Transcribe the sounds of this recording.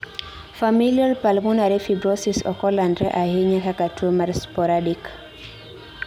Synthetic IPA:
familialpalmunaɾefibɾɔsisɔ̰kɔlandɾɛ̰ʔaheɲakakatumaɾspɔɾadik

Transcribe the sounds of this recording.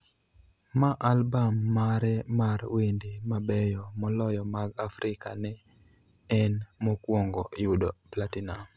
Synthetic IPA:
maʔalbamːaɾɛmarwendimabɛjɔmɔlɔjɔmaɡafɾʔɪka̰nɛ | ɛnmɔkwoŋɡɔʔjʊdoplatinam

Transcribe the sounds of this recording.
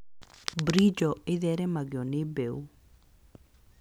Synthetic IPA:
bɾid͡ʒɔɪðɛɾɛmaɡɪɔnɪbeu

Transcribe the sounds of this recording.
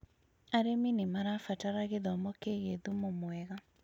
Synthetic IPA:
aɾeminemaɾafataɾaɣeðɔmɔkeɣeðumomwɛɣa

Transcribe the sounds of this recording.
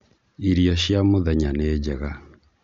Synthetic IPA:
iɾijɔɕjamoðɛɲaneːd͡ʑɛɣa

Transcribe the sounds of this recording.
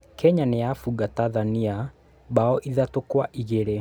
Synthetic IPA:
kʰɛɲanejafuɣataðania | baɔʔiðatokwaʔiɣeɾe

